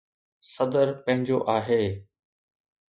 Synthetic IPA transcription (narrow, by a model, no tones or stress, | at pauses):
sɐd̪əɾpɐ̃ɦɪ̃ɲd͡ʑoʔaːɦeː